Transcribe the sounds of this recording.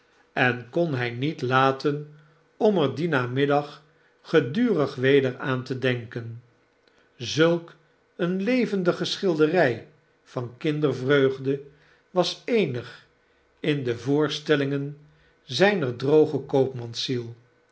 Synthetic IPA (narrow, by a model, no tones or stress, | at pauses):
ɛnkɔnɦɛjnitlaːtən | ɔməɹdinaːmɪdɑχ | χədyːrəχʋejdəɹaːntədɛŋkən | zɵlˠk | ənlejvəndəχəsχɪlˠdərɛj | v̥ɑnkɪndəɹvrøɥχdə | ʋɑsejnəχ | ɪndəvʊːɹstɛlɪŋən | zɛjnəɹdrowχəkowpmɑnsilˠ